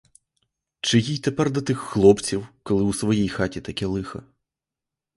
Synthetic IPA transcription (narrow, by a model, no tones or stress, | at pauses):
t͡ʃɪjijt̪ɛpɛrd̪ɐt̪ɪxːlˠɔpt͡sʲiwkɔlˠɪwusʋɔjijxatʲit̪ɐkɛlˠɪxɐ̰